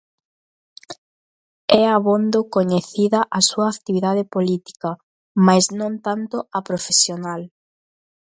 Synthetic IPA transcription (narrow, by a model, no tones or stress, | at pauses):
ɛaβond̪okoɲeθiðɐʔasuɐːkt̪iβiðaðepolit̪i̥kɐ | majznõnt̪ant̪oɐpɾofesjonal